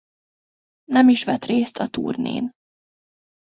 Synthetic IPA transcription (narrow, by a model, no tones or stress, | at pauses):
nɛmiʃʋɛt̪reːst̪ʰɒt̪ṵːrnḛːn